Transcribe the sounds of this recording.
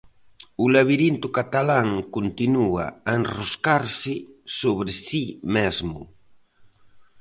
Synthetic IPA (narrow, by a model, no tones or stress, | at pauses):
ʊlaβiɾint̪ʊkat̪alaŋkont̪inua̰aenroskaɾsɪsoβɾɪsimezmʊ̰